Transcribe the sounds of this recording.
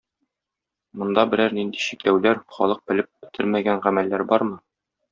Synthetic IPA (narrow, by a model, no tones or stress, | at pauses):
mŏnd̪ɑbɘ̆ɾæɾnind̪iɕiklæwlæɾχɒ̰lˠɤq̚bɘ̆lɘp̚bɘ̆t̪ʰɘɾmæɡænʁæmælːæɾbɒɾmɤ